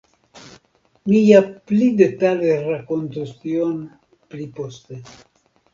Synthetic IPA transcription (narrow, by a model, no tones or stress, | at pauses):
mijaplide̞taleɾako̞ntustion | plipo̞ste